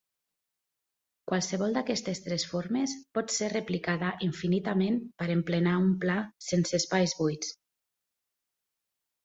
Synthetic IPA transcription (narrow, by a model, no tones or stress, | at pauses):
kwalˠsəβɔlˠd̪akɛst̪est̪ɾɛsfoɾmespɔt̪sereplikaðaʔiɱfinit̪amempəɾemplenaumplasensespajzβujt͡s